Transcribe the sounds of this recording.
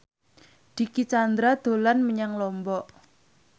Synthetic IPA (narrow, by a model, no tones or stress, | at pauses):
d̪̥ikit͡ʃand̪ɾad̪̥o̤lanməɲaŋlɔmbɔʔ